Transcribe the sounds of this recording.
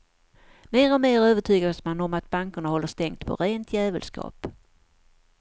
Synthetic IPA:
meːɾɔmeːɾøːvəʈʰyːɡasmanɔmat̪̚baŋkəɳahɔlːəʂt̪ɛŋkt̪pʰɔ̰ɾeːnt̪ʰjæːvəlskɑ̰ːp

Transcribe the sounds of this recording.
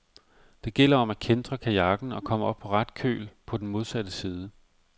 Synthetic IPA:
d̥e̝ɡ̥el̰ɐɒ̽mækʰend̥ʁɐkʰæjɑ̈ɡ̥n̩ɒ̽kʰɒ̽m̰əɒ̽b̥̚pʰɒ̽ʁɑd̥kʰø̰ːlpʰɒ̽d̥enmo̝ð̞ˠsæd̥əsiːð̞ˠə

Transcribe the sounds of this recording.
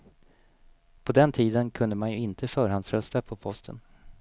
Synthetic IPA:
pʰɔd̪ɛnt̪ʰiːd̪ənkʰɵnd̪əmanjɵɪnt̪ʰəfœːɾɦansɾœst̪apʰɔpʰɔst̪ʰə̰n

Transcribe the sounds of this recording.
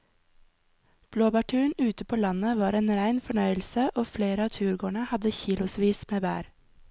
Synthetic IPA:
b̥loːbɑʈʰʉːɳʉːt̪əpʰoːlɑnəʋɑːɾeːnɾæɪnfɔɳœʏəl̩səʔoːfleːɾəɑːt̪ʰʉːɾɡoːɳəhɑd̪əçiːlʊsʋiːsmeːbæ̰ːɾ

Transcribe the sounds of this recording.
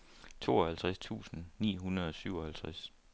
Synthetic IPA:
t͡sʰo̝̰ːɒ̽hælt͡sʰʁɛst͡sʰṵːsn̩nḭːɦunɐð̞ˠɒ̽syʊ̰ɒ̽hælt͡sʰʁas

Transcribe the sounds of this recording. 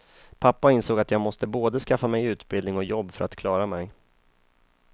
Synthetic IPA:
pʰapːaɪnsoːɡat̪jɑːɡmɔst̪əboːd̪əskafːamɛjʉ̟ːt̪bɪld̪nɪŋɔkjɔbːfœɾat̪kʰlɑːɾamɛj

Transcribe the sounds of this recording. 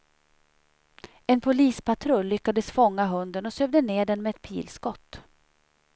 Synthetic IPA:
ɛnpʰʊliːspʰat̪ʰɾɵlːʏkːad̪əsfɔŋːaɦɵnd̪ənɔsøːvd̪əneːɖɛnmɛːt̪pʰḭːlskɔt̪ː

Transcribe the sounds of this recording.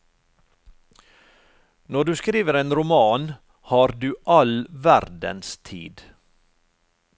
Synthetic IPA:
nɔɖʉːskɾiːʋəɾeːnɾʊmɑːn | hɑːɾd̪ʉːʔɑlʋæɾd̪ə̰nst̪ʰḭːd̪

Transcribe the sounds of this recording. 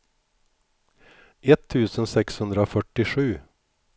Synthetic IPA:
ʔɛt̪ʰːʉːsənsɛkshɵnd̪ɾəoːfœʈːɪʂʉː

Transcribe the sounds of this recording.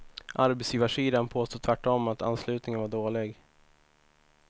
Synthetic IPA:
ʔaɾbɛt̪sjiːvaʂiːd̪anpʰoːst̪uːt̪ʰvæʈːɔmːat̪ʰa̰nslʉ̟ːt̪nɪŋənvaɖoːlɪɡ

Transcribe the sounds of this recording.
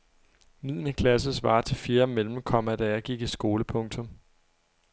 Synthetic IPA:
mið̰ˠnəkʰlæsəsʋɑ̈ːt͡sʰe̝feːɐmel̰m̩kʰɒ̽m̰æd̥æɑɡ̥iɡ̥isɡ̥o̝ːləpʰɔ̽ŋt͡sʰɔ̽m

